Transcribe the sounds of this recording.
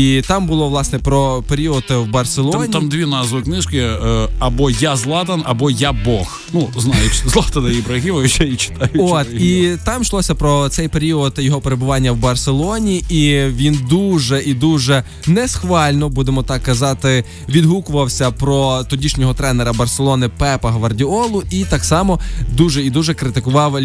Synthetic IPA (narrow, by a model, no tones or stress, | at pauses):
it̪ɑmbʊlˠɔʋlˠɑsnɛpɾɔpeɾʲiɔt̪wbɐrselˠnʲt̪amd̪ʲʋʲinɑzʋʊknɪʃkɪɐbɔjazlˠɑt̪ɐnɐbɔjabɔx | nuznɑjɪt͡ʃʲzlˠɑt̪ɐnɐjibɾɐɦʲiʋɐʋʲʃɛit͡ʃɪ̥t̪ɑjʊɔt̪it̪ɑmʃlˠɔsʲɐpɾɔt̪sɛjpeɾʲiɔt̪jɔɦɔpeɾebʊʋɑnʲːɐwbɐrselˠɔnʲiiʋʲind̪uʒɛʔid̪uʒɛ | nɛsxʋɑlʲnɔbud̪emɔt̪ɑkːɐzɑt̪ɪ | ʋʲid̪ɦukʊʋɐwsʲɐpɾɔt̪ɔdʲiʃnʲɔɦɔt̪ɾɛnɛɾɐbɐrselˠɔnɪpɛpɐɦʋɐrdʲiɔlˠʊit̪ɑksɑmɔd̪uʒɛid̪uʒɛkɾɪt̪ɪkʊʋɑwʲ